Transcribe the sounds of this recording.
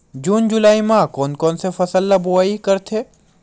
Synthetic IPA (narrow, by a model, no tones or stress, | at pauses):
d͡ʒuːnd͡ʒʊlaːimãkɔːnkɔːnsefɐsəlːaboaːikɐɾt̪ʰeː